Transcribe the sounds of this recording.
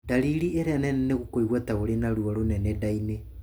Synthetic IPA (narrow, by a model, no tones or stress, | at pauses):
daliɾieɾɛnɛnɛneɣokoiɣwɛtaɣoɾenaɾwɔɾonɛnɛdaine